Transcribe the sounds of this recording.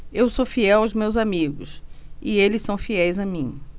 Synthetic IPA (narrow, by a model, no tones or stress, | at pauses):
ewsofiɛwawzmewzamiɡʊ̰sɪelɪssɐ̃w̃fiɛjzɐmĩ